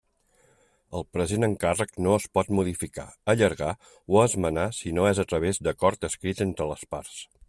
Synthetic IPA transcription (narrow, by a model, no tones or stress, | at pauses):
əlˠpɾəzenəŋkarəknoəspɔt̪muð̞ifika̰əʎəɾɣ̞a | wəzmənasinoɛzət̪ɾəβ̞ezd̪əkɔɾt̪əskɾit̪ent̪ɾələspars